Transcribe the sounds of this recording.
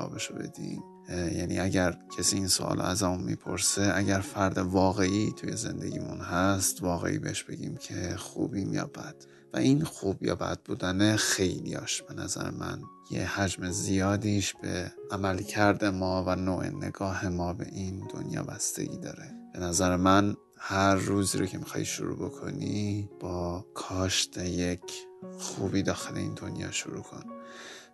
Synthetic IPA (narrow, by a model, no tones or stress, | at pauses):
ɒ̰ːbeʃobe̞̰d̪̥im | jænḭæɟæɾcʰesiːiːnsoʔɒ̰ːlʔæzɒmunmipʰo̞ɾseæɟæɾfæɾd̪e̞vɒːɣe̞ʔiːt̪ʰuje̞ze̞nd̪e̞ɟiːmunhæst̪vɒːɣe̞̰ʔḭːbe̞heʃb̥e̞ɟḭːmcʰexuːbiːmjɒ̰ːbæd̪̥ | væʔinxuːbjɒ̰ːbæ̰d̪̥̚buːd̪ænexe̞jlijɒːʃb̥e̞næzæ̰ɾḛmʔæn | jehæd͡ʒme̞zijɒːd̪iʃb̥e̞ʔæmælcʰæɾd̪e̞mɒːvænoːʔe̞̰nḛɡɒːhe̞mɒːbe̞̰ʔind̪o̞̰njɒ̰ːbæst̪e̞̰ɟiːd̪ɒ̰ːɾe̞b̥e̞næzæɾemæn | hæɾːuːziːɾocʰe̞mixɒ̰ːhiʃo̰ɾṵːbo̞kʰo̞̰nib̥ɒːkʰɒːʃt̪ʰejecʰxuːbiːd̪ɒːxele̞̰ḭːnd̪o̞njɒ̰ːʃuɾuːkʰo̞n